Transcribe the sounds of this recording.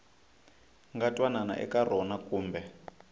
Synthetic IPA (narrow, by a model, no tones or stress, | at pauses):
ŋɡatʼwanana̰ʔɛ̰kʼarɔnakʼuːmbɛ